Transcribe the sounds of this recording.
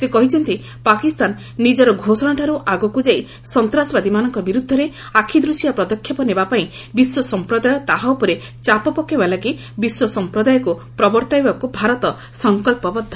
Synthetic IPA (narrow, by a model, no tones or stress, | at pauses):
sekɔɦit͡ʃʰɔnt̪i | pakist̪anː | id͡ʒɔɾɔɡʱosɔnaʈʰaɾuʔaɡɔkud͡ʒai | sɔnt̪ɾasbad̪imanɔŋkɔbiɾud̪ʱːɔɾe | akʰid̪ɾusjapɾɔd̪ɔkʰːjɔpɔnebapaĩ | biswɔsɔmpɾɔd̪ajɔt̪aɦawpɔɾe | t͡ʃapɔpɔkːebalaki | biswɔsɔmpɾɔd̪ajɔkupɾɔbɔɾt̪ajbakubʱaɾɔt̪ɔ | sɔŋkɔlpɔbɔd̪ʱːɔ